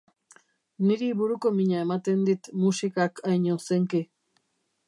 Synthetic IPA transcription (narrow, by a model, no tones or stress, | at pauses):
niɾiβuɾuko̞miɲaemat̪e̞nd̪it̪musikakajɲoseŋki